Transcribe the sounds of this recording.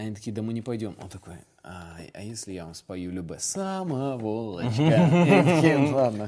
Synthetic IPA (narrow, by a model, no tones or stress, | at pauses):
ɐnʲit̪ɐkʲijd̪əmɨnʲɪpɐjdʲo̞mo̰nt̪ɐko̞̰j | aɐ̰jesʲlʲɪjavɐmspɐjulʲʊbasaməvolˠːɐ̰t͡ʃakʲilˠad̪nə